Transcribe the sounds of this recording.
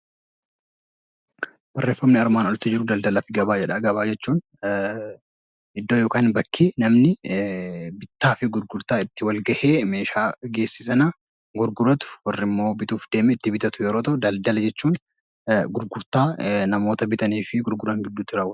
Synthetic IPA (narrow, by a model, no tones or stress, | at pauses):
wɐrːe̞ːfːɐmnɪɐɾmaːnɔlt̪ːɪd͡ʒɪɾʊd̪ɐld̪ɐlɐfɪɡɐbaːd͡ʒɛᶑɐɡɐbaːd͡ʒɛt͡ʃːuːn | ɪd̪ːoːjoːkaːnbɐkʰːinɐmnɪ | bɪt̪ːaːfɪɡʊɾɡʊɾt̪aːɪt̪ːɪwɐlɡɐʔeːme̞ːʃaːɡe̞ːsːɪsɐnɐ | ɡʊɾɡʊɾɐt̪ʊ̥wɔrːɪmːo̞ːbɪt̪uːfd̪e̞ːmɛɪt̪ːɪbɪt̪ɐt̪ʊjɛɾoːt̪ɐʔʊd̪ɐld̪ɐlɐd͡ʒɛt͡ʃːuːn | ɡʊɾɡʊɾt̪aːnɐmoːt̪ɐbɪt̪ʼɐniːfɪɡʊɾɡʊɾɐŋɡɪd̪ːʊt̪ːɪɾaːw